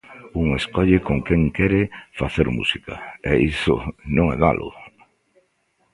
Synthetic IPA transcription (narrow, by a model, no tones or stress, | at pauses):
uŋeskɔʎɪkoŋkeŋkɛɾefaθeɾmṵsika̰ɛisʊ̰nõŋɛða̰lʔʊ̰